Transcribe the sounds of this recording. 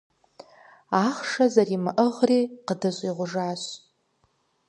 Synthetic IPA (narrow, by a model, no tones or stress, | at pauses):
aːχʂɐzɐrimɨʔəʁriːqədɨɕʷʼiʁʷʊʐaːɕ